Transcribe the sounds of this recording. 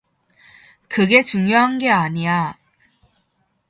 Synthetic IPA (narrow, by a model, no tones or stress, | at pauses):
kɯɡe̞t͡ɕuŋjoɦanɡe̞aɲija